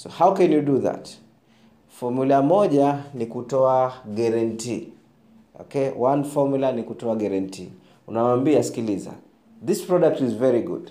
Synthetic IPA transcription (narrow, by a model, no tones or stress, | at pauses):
sohawkɛnjuduða̰t | fɔmulamɔʄanikutɔaɡɛɾɛntḭ | ɔ̰kɛwãnfɔmulanikutɔaɡɛɾɛntḭ | unawaːmbiasi̥kiliza̰ | ðispɹɔdak̚tizvɛɹiɡṵd̥